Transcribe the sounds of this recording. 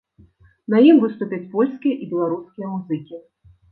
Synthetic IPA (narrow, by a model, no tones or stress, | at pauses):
nɐjimvɨst̪upʲɐt͡sʲpɔlʲskʲijɐʔibʲɛlˠaɾuskʲijɐmuzɨkʲi